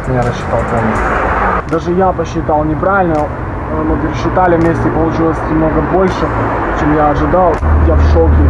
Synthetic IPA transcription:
mʲnʲaɾəɕːɪ̥t̪alˠt̪ɐnʲisʲd̪aʐɨjapəɕːɪt̪alˠnʲɪpɾavʲɪlʲnə | nopʲɪɾʲɪɕːɪt̪alʲɪvmʲesʲtʲɪpəlˠʊt͡ɕilˠəsʲnʲɪmnoɡəbo̞lʲʂɨt͡ɕemjaɐʐɨd̪alˠjafʂokʲɪ

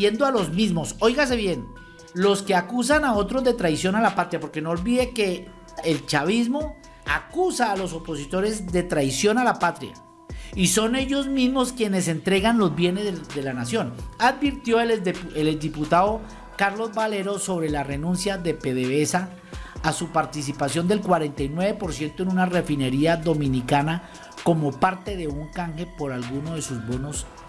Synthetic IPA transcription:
je̞nd̪oalo̞zmizmo̞so̞jɡas̬e̞βje̞n | lo̞ske̞akus̬anao̞t̪ɾo̞zðd̪e̞t̪ɾajsjo̞nalapat̪ɾjapo̞ɾke̞no̞ːlbiðe̞ke̞ː | lt͡ʃaβizmo | akusaːlo̞so̞po̞sit̪o̞ɾe̞zd̪e̞t̪ɾajsjo̞nalapat̪ɾja̰ | iso̞ne̞ʝo̞zmizmo̞skje̞ne̞se̞nt̪ɾe̞ɣanlo̞zbje̞ne̞zd̪e̞lanasjo̞naðbiɾt̪jo̞eled̪iput̪aðo | kaɾlo̞zbale̞ɾo̞so̞βɾe̞lare̞nũnsjaðe̞pe̞ðeβesaː | supaɾt̪is̬ipasjo̞nd̪e̞lkwaɾe̞nt̪ajnwe̞βe̞po̞ɾsje̞nt̪oe̞nunare̞fine̞ɾiaðo̞mĩnikana | ko̞mo̞paɾt̪e̞ðe̞uŋkaŋxe̞po̞ɾalɣuno̞ðe̞suzbo̞nos

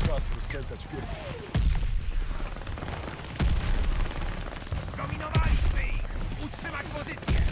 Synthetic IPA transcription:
asɾɔskɛnt̪at͡ɕpʲjɛɾvɔ | zkɔmʲinɔvalʲiɕmɘixutʂɘmat͡ɕpɔzɘt̪sʲjɛ

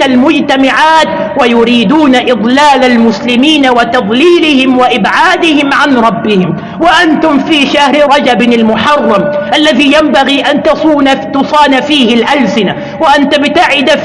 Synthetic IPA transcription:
almʊd͡ʒt̪amaʕaːt̪ | wajʊɾiːd̪uːnaʔɪd̪ˤlaːlalmʊslɪmiːnawat̪ɑd̪ˤliːlɪhɪmwaʔɪbʕaːd̪ɪhɪmʕanɾˤɑbːɪhɪm | waʔant̪ʊmfiːʃahɾɪɾˤɑd͡ʒabɪalmʊħɑrˤːɑmʔalːaðijambaɣiːʔant̪ːnt̪ʊsˤɑːnafiːhɪlʔalsɪna | waʔant̪abɪt̪aʕɪd̪a

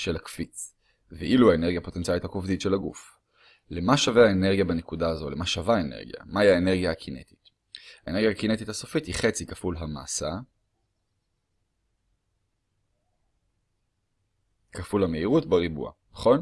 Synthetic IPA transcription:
ʃelakfit͡s | veʔiluaeneʁɡjapo̞tentt͡sialithakovditʃe̞laɡṵf | lemaʃaveaene̞ʁɡijabanekudaːzo̞le̞maʃavaenḛʁɡija̰maiaeneʁɡjaakʰine̞̰ti̥t | aaḛne̞ʁɡjaakinet̪ithaso̞fithiχe̞t͡sikafulɦama̰ːsa | kafulhame̞iʁutbaʁibṵa̰naχo̞n

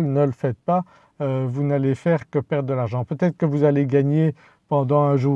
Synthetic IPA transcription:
lnələfɛt̪̚pa | øvunalefɛʁkəpɛʁd̪̚d̪əlaʁʒɑ̃pøt̪ɛt̪χə̥kəvuzaleɡaɲe | pɑ̃d̪ɑ̃ɛ̃ʒuː

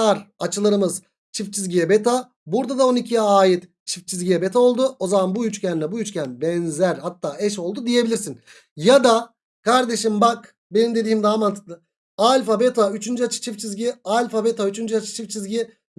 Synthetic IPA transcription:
aɾat͡ʃʰɯlˠaɾɯmɯz | t͡ʃʰift͡ʃʰizɟijɛbet̪ʰa | buɾd̪ad̪ao̞nicʰijaːjit̪ | t͡ʃʰift͡ʃʰizʲɟijɛbet̪ʰao̞lˠd̪uo̞zamanbujyt͡ʃcʰɛninɛbujyt͡ʃcʰænbɛnzæɾhat̪ʰːaːɛʃo̞lˠd̪ud̪ije̞bilʲiɾsin | jad̪a | kaɾd̪e̞ʃimbak | benimd̪e̞d̪iːimd̪aːmant̪ʰɯ̥d̪ɯ | alʲfabet̪ʰayt͡ʃʰynd͡ʒyat͡ʃʰɯ̥t͡ʃʰift͡ʃʰizɟialʲfabet̪ʰayt͡ʃʰynd͡ʒyat͡ʃʰɯ̥t͡ʃʰift͡ʃʰizɟi

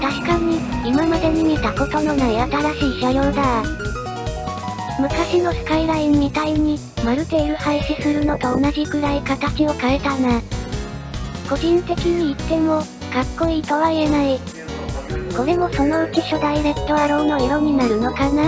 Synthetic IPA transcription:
t̪aɕi̥kaɲ̟iimamad̪e̞mʲiɲ̟it̪ako̞t̪o̞no̞naiat̪aɾaɕiːɕajo̞ːd̪a | mɯ̟kaɕino̞ɕi̥kaiɾaimit̪aiɲ̟i | maɾɯ̟t̪e̞iɾɯ̟haiɕisɨɾɯ̟no̞ɡao̞naʑiɡɯ̟ɾaikat̪at͡ɕio̞kae̞t̪ana | ko̞d͡ʑĩnt̪e̞kʲiɲ̟iːt̪ːe̞mo̞ | kakːo̞iːt̪o̞βaie̞nai | ko̞ɾe̞mo̞so̞no̞ɯ̟kiɕo̞d̪aiɾe̞t̪ːo̞βaɾõ̞no̞iɾo̞ɲ̟inaɾɯ̟no̞kana

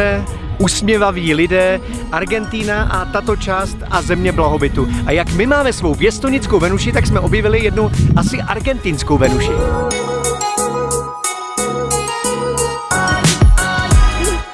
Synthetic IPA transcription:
ɛ | ʔusmɲɛvaviːlɪdɛː | ʔaɾɡɛnt̪iːnaʔat̪at̪o̞t͡ʃaːst̪ʔazɛmɲɛblaɦo̞bɪt̪uʔajakmɪmaːmɛsvo̞wvjɛst̪oɲɪt͡skowvɛnuʃɪt̪aksmɛʔo̞bjɛvɪlɪjɛdnuʔasɪʔaɾɡɛnt̪ɪnskowvɛnuʃɪ

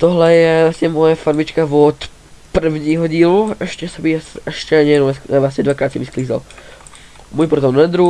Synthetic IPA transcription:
t̪ɔɦlɛjɛvlasɲɛmɔjafaɾmit͡ʃkavɔt̪ | pr̩vɲiːɦɔɟiːluɛʃcɛsɛbisɛʃcɛaɲɛjɛnɔɛsɛʋlasɲɛd̪ʋakɾaːt̪simiskliːza̰l | muːjpɾɔt̪ɔmnɛd̪ɾu

